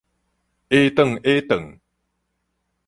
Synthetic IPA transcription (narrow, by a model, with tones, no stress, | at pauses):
ʔe˦t̪ə˨ŋe˦t̪ə˨ŋ